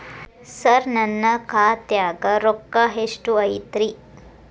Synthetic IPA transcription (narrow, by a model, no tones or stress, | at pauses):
sɐɾnɐnːɐkʰaːt̪jaːɡɐɾokːɐɦeʂʈuɐjt̪ɾi